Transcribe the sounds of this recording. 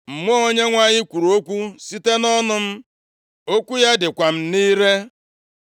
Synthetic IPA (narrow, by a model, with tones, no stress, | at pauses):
m̩˨mʷɔ˦o˦ɲe˦ŋʷa˦ɲɪ˦kʷu˨ɾu˨o˦kʷu˦si˦te˦nɔ˦nʊ˨m̩˦ | o˦kʷu˦ja˦dɪ˨kʷa˨m̩˦niː˦ɾe˦